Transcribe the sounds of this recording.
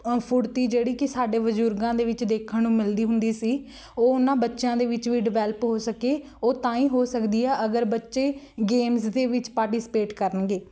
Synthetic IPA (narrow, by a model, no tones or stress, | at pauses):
pʰʊɾt̪iːd͡ʒeːɽiːkɪsaːɖeːʋəd͡ʒuːɾɡãːd̪eːʋɪt͡ʃd̪eːkʰənũːmɪld̪iːɦʊnd̪iːsiː | oːʊnːãːbətːʃãːd̪eːʋɪt͡ʃʋiːɖɪʋɛːləpɦoːsəkeː | oːt̪ãːĩːɦoːsəkd̪iːɛːʔəɡəɾbətːʃeː | ɡeːmsd̪eːʋɪt͡ʃpaːɾʈiːsɪ̥peːʈkəɾənɡeː